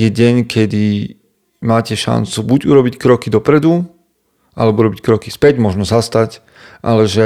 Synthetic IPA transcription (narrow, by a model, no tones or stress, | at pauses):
jɛɟɛɲkʰɛd̪i | maːcɛʃa̰nt͡subuɟuɾɔbickɾɔkid̪ɔpɾɛd̪u | ʔalɛbɔuɾɔbickɾɔki̥spɛɟmɔʒnɔzast̪ac | ʔa̰lɛʒɛ